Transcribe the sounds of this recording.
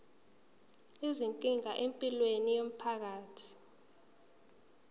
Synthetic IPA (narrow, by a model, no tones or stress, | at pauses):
iziŋkʼiŋaʔempʼilwenijom̩pʰak̬aːtʰi̥